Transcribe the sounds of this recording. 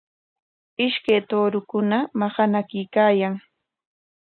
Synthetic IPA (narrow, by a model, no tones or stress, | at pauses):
ɪʃkajt̪oːɾʊkʊnamaχanakɪkaːjaŋ